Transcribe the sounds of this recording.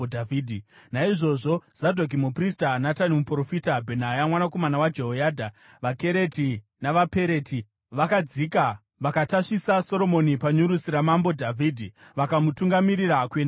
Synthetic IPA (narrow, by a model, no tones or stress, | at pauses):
dʱaviːdʱinaiʐo̞ʐoz̥adʱok̬imupristanatanimupro̞fitabʱe̞najamwanako̞manawad͡ʒe̞ɦojaːdʱa | ʋake̞ɾe̞ti | naʋape̞ɾe̞ti | ʋakad͡zika | ʋakataʂisaso̞ɾo̞mo̞nipaɲuɾusiɾamambo̞dʱavʱiːdʱiʋakamutuŋɡamiɾirakweːna